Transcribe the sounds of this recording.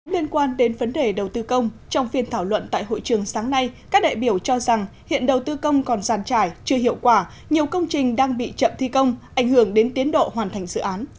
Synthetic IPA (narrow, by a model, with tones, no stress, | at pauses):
li˧ənkwaː˧nɗe˨˦nvə˨˦nɗe˨˩ɗə˨˩wt̪ɨ˧kə˧wŋ͡mt͡ɕɔ˧wŋ͡mfi˧ənt̪ʰaː˧˩wlwə̰˧˨nt̪a̰ː˧˨jɦo̰˧˨jt͡ɕɨ˨˩əŋsaː˨˦ŋna˧jkaː˦˥k̚ɗa̰ː˧˨jɓi˧˩əwt͡ɕɔ˧za˨˩ŋhḭ˧˨ənɗə˨˩wt̪ɨ˧kə˧wŋ͡mkɔ˨˩nzaː˨˩nt͡ɕaː˧˩jt͡ɕɨ˧əɦḭ˧˨əwkwaː˧˩ | ɲi˨˩əwkə˧wŋ͡mt͡ɕï˨˩ŋ̟ɗaː˧ŋɓḭ˧˨t͡ɕə̰˧˨mt̪ʰi˧kə˧wŋ͡mʔa˧˩jŋ̟hɨ˧˩əŋɗe˨˦nt̪i˨˦ənɗo̰˧˨hwaː˨˩nt̪ʰa˨˩jŋ̟zɨ̰˧˨ʔaː˨˦n